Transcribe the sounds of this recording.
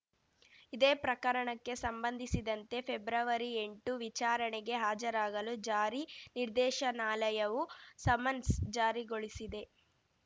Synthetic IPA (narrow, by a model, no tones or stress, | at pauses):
id̪e̞ːpɾɐkɐɾɐɳɐkːe̞sɐmbɐnd̪ʱisid̪ɐnt̪e̞pʰebɾɐʋɐɾie̞ɳʈuʋit͡ʃaːɾɐɳeɡe̞ɦaːd͡ʒɐɾaːɡɐlud͡ʒaːɾiniɾd̪ɛːʃɐnaːlɐjɐʋusɐmɐnsd͡ʒaːɾiɡo̞ɭisid̪e̞